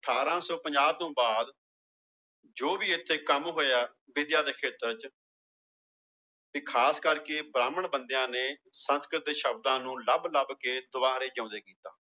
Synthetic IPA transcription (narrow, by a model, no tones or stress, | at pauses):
əʈʰaːɾãːsɔːpə̃ɲd͡ʒaːt̪õːbaːd̪ | d͡ʒoːbiːɪt̪ʰːeːkəmɦoːjaː | bɪd̪jaːd̪eːkʰeːt̪əɾt͡ʃ | piːkʰaːskəɾkeːbɾaːməɳbənd̪jãːneːsə̃nskɾɪt̪̚d̪eːʃəb̚d̪ãːnũːləbləbkeːd̪ʊbaːɾeːd͡ʒə̃ːnd̪eːkiːt̪aː